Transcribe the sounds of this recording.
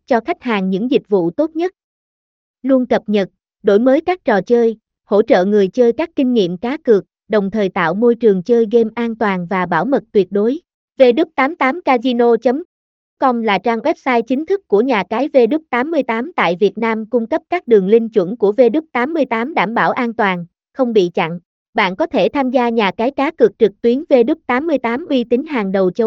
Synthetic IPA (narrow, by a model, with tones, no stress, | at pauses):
t͡ɕɔ˧xa˦˥jk̟̚haː˨˩ŋɲɨ̰˧˥ŋzï˨˩k̟̚vṵ˧˨t̪o˦˥t̚ɲə˦˥t̚ | lu˧ənkə˨˩p̚ɲə˨˩t̚ | ɗo˧˩jməː˨˦jkaː˦˥k̚t͡ɕɔ˨˩t͡ɕəː˧j | ho̰˧˥t͡ɕə̰ː˧˨ŋɨ˨˩əjt͡ɕəː˧jkaː˦˥kːï˧ŋ̟ŋḭ˧˨əmkaː˨˦kɨ˨˩ək̚ | ɗə˨˩wŋ͡mt̪ʰəː˨˩jt̪a̰ː˧˨wmo˧jt͡ɕɨ˨˩əŋt͡ɕəː˧jɣe˧mʔaː˧nt̪waː˨˩nvaː˨˩ɓa̰ː˧˩wmə˨˩t̚t̪wi˨˩ət̚ɗo˨˦j | ve˧ɗɨ˦˥k̚t̪aː˨˦mt̪aː˨˦mkaː˧zi˧no˧t͡ɕə˨˦m | kɔ˧mlaː˨˩t͡ɕaː˧ŋwɛ˦˥p̚saː˧jt͡ɕï˨˦ŋ̟t̪ʰɨ˦˥kːu˧˩əɲaː˨˩kaː˨˦jve˧ɗɨ˦˥k̚t̪aː˨˦mːɨ˧əjt̪aː˨˦mt̪a̰ː˧˨jvi˨˩ət̚naː˧mkʊ˧ŋ͡mkə˦˥p̚kaː˦˥k̚ɗɨ˨˩əŋlï˧ŋ̟t͡ɕwə̰˧˩nku˧˩əve˧ɗɨ˦˥k̚t̪aː˨˦mːɨ˧əjt̪aː˨˦mɗaː˧˩mɓa̰ː˧˩wʔaː˧nt̪waː˨˩n | xə˧wŋ͡mɓḭ˧˨t͡ɕa̰˧˨ŋ | ɓa̰ː˧˨nkɔ˨˦t̪ʰe˧˩t̪ʰaː˧mzaː˧ɲaː˨˩kaː˨˦jkaː˨˦kɨ˨˩k̚t͡ɕɨ˨˩k̚t̪wi˨˦ənve˧ɗɨ˦˥k̚t̪aː˨˦mːɨ˧əjt̪aː˨˦mʔwi˧t̪ï˨˦ŋ̟ɦaː˨˩ŋɗə˨˩wt͡ɕə˧˦